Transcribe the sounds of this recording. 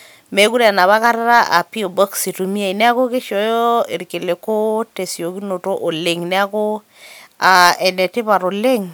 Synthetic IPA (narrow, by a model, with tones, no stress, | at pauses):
me˨˦ku˦ɾa˨na˨βa˦ka˦ɾa˦ɾa˦ʔa̰˨pi˦o˨bɔ˦ksi˨tu˨mi˦a˦˨i˨nɛ˦a˦ko˦kɪ˦ʃɔ˨jɔ˦ɪ˨ɾkɪ˨le˨ko˦te˨si˨o˨ki˦no˨to˦ʔo˨lɪ˨ŋnɛ˦a˦ko˦ | a˨ɛ˨nɛ˨tɪ˦pa˨ɾo˨le˦ŋ